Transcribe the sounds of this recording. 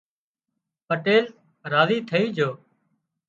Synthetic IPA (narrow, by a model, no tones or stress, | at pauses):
pəʈeːl | ɾaːziːt̪ʰəiːd͡ʒʱoː